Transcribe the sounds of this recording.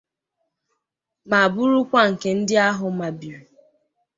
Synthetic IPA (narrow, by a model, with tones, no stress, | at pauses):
ma˨a˨bʊ˦ɾʊ˦kʷa˦˨ŋ̩˨ke˨n̩˦dɪ˦a˦ɦʊ˨ma˨bi˨ɾu˨